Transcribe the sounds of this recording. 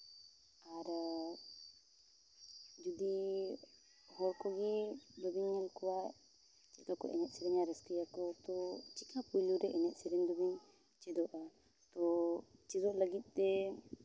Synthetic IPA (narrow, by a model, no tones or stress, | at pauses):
aɾ | d͡ʒud̪i | hɔɾkɔɡɛd̪ɔbiɲːɛlkɔwaʔ | t͡ʃɛt̪kakɔʔɛnɛt̪̚sɛɾɛɲaɾɛskiakɔt̪ɔt͡ʃikapujluɾɛʔɛnɛt̪̚sɛɾɛɲd̪ɔbiɲ | t͡ʃɛd̪ɔʔa | t̪ɔt͡ʃidɔʔləɡit̪̚ˀt̪ɛ